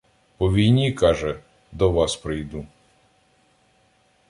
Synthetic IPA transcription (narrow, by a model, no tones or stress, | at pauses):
pɔʋʲijnʲikɑʒɛ | d̪ɔʋɑspɾɪjd̪u